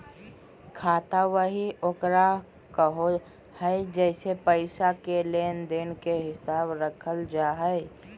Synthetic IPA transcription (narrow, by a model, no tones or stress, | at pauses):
kʰaːt̪awəɦioːkɾa | kəɦo | həɪd͡ʒɛɪsepəɪsakelend̪enkeɦɪsaːbɾəkʰəld͡ʒaːɦəɪ